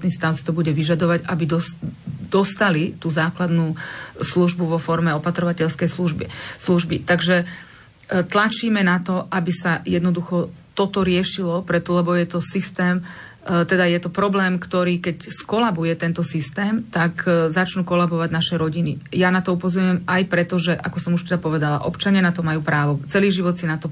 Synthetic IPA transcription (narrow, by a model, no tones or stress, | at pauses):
t̪niːst̪aʊsi̥t̪ɔbuɟɛʋiʒad̪ɔʋaɟabid̪ɔd̪ɔst̪alit̪uːzaːklad̪nuːsluʒbuʋɔfɔɾmɛɔpat̪ɾɔʋacɛʎskɛjsluʒbḭsluʒbit̪aɡʒɛ | t̪lat͡ʃiːmɛnat̪ɔʔabisajɛd̪nɔd̪uxɔ | t̪ɔt̪ɔɾɪɛʃilɔpɾɛt̪ɔlɛbɔjɛt̪ɔsist̪ɛːm | t̪ɛd̪ajɛt̪ɔpɾɔblɛːmkt̪ɔɾiːkɛcskɔlabujɛt̪ɛnt̪ɔsist̪ɛːmt̪akzat͡ʃnuːkɔlabɔʋaɟnaʃɛɾɔɟinijanat̪ɔupɔzɔɾɲujɛmajpɾɛt̪ɔʒɛʔakɔsɔmuʃt̪ɛd̪apɔʋɛd̪ala̰ʔɔpt͡ʃaɲɪanat̪ɔmajuːpɾaːʋɔt͡sɛliːʒiʋɔt̪sinat̪ɔ